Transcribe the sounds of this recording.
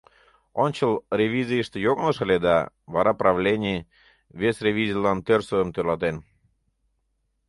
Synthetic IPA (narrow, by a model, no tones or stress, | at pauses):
onʲt͡ɕəlrʲevʲizʲijəʃt̪ĕjoɣnəʃəlʲed̪ɑ | βɑɾɑprɑvlʲenʲij | βesrʲevʲizilɑnt̪ørsəəmt̪ølɑt̪en